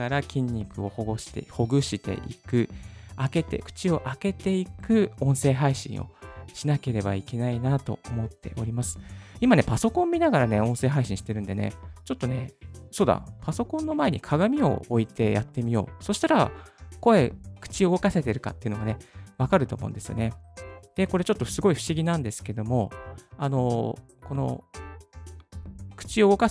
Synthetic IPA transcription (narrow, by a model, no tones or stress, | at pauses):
aɾakʲĩɲ̟ːikɯ̟o̞hoɡoɕi̥t̪ḛho̞ɡɯ̟ɕit̪e̞̰ʔḭkɯ̟ake̞t̪e̞̰kɯ̟̥t͡ɕio̞ʔake̞t̪e̞ikɯ̟õ̞ɰ̃se̞ːɦaiɕḭ̃ɰ̃o̞̰ɕinake̞ɾe̞baike̞nainat̪o̞̰omo̞t̪ːe̞ʔo̞ɾʲimasɨ̥imane̞paso̞kõmːʲinaɡaɾane̞õ̞se̞ːɦaiɕĩɕi̥t̪e̞ɾɯ̟nd̪e̞nḛt͡ɕo̞t̪ːo̞ne̞soːd̪a̰paso̞kõ̞nːo̞mae̞ɲ̟ikʰaɡamʲio̞̰oit̪e̞jat̪ːe̞mʲijo̞̰ːso̞ɕi̥t̪aɾako̞e̞kɯ̥t͡ɕioɡo̞kase̞t̪e̞ɾɯ̟ka̰t̪ːe̞iɯ̟no̞ɡane̞βakaɾɯ̟t̪o̞ːmo̞̰ɯ̰̃nd̪e̞sɨo̰ne̞d̪̥e̞ko̞ɾe̞t͡ɕo̞t̪ːo̞sɨɡo̞iɸɯ̟ɕiɡʲinãnd̪e̞sɨ̥ke̞d̪o̞mo̞ano̞ | ko̞no̞̰ | kɯ̟̥t͡ɕioɡo̞ka